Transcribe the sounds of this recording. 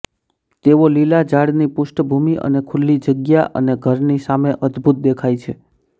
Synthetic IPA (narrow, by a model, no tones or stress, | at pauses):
t̪eʋolilad͡ʒaɽnipʊʃʈəbʱumiʔə̰nekʰulːid͡ʒəɡjaʔə̰neɡʱəɾnisameʔəd̪bʱut̪̚d̪ekʰajt͡ʃʰe